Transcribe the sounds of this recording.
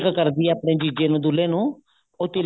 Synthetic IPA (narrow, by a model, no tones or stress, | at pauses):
kkəɾd̪iaːpɳeːd͡ʒiːd͡ʒeːnũːd̪uleːnũː | ʊt̪ːiːl